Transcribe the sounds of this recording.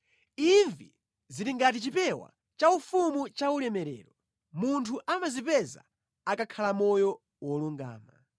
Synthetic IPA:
iɱvi | ziɾiŋɡat̬it͡ʃipɛwa̰ | t͡ʃaufumut͡ʃaulɛmɛɾɛ̰ːɾɔ | muntʰuʔamazipɛza̰ | akakʰalamɔjɔ | wɔluŋɡa̰ːma̰

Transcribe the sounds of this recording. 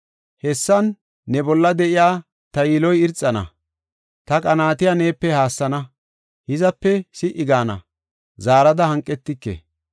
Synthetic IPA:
hɛsːɐnː | ɛbɔlːɐd̪ɛʔɪjaː | t̪ɐjiːlɔjɪɾt͡sʼːɐnɐ̰ | t̪ɐkʼɐnaːt̪ɪjane̞ːpːɛhaːsːɐnɐ | hɪzɐpːɛsɪʔɪɡaːnɐ̰ | zaːɾɐd̪ɐhɐŋkʼːɛt̪ːɪkːḛ

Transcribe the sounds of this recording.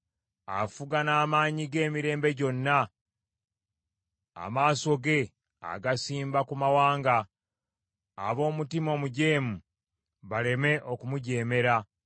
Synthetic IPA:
a̰fuɡanaːmaːɲiɡe̞ːmiɾe̞ːmbe̞ɟo̞nːa | a̰maːso̞ɡe̞ | a̰ɡasiːmbakumawaːŋɡa | βo̞ːmutimo̞ːmuɟe̞ːmu | βale̞me̞ʔo̞kumuɟe̞ːme̞ɾa

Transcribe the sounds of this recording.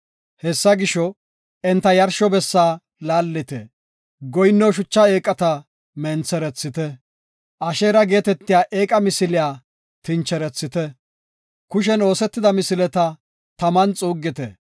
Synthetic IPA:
hɛsːɐɡɪʃɔ | ɛnt̪ːɐjɐɾʃɔbɛsːaː | laːlːɪt̪ɛ̰ | ɡɔjɪnːɔwʃ̬ʊt͡ʃːɐeːkʼɐt̪ɐ | mɛnt͡sːɛɾɛt͡sːɪt̪ɛ | ʔɐʃeːɾɐɡe̞ːt̪ɛt̪ːɪjaːʔe̞ːkʼɐmɪsɪlɪjaː | t̪ɪnt͡ʃːɛɾɛt͡sːɪt̪ɛ | kʊʃɛno̞ːsɛt̪ːɪd̪ɐmɪsɪlɛt̪ɐ | t̪ɐmɐnt͡sʼuːɡːɪt̪ɛ̰

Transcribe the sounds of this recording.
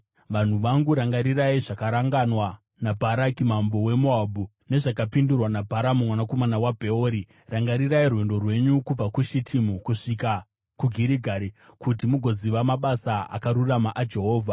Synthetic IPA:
ʋan̤uʋaŋɡuɾaŋɡaɾiraiʐakaɾaŋɡanwa | nabʱaɾakimambo̞we̞muabʱu | ne̞ʐakapindurwanabʱaɾamumwanako̞manawabʱe̞oɾi | raŋɡaɾiɾairwe̞ndo̞rwe̞ɲukub͡vakuʃitʰimukuʂika | kuɡʱiɾiɡʱaɾikutimuɡʱo̞ziʋamaɓasaa̰kaɾuramaʔad͡ʒe̞ɦo̞ːvʱa

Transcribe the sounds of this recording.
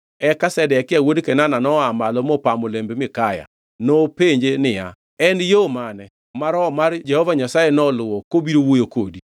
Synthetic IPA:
ɛkasɛdɛɛkɪawodkɛnananɔamalɔmɔpamolembemɪkaja̰ | nɔpeɲd͡ʒenɪja | ɛnjomanɛ | maɾɔmaɾd͡ʒɛhɔvaɲasajenɔlʊwɔkobiɾowojokodi

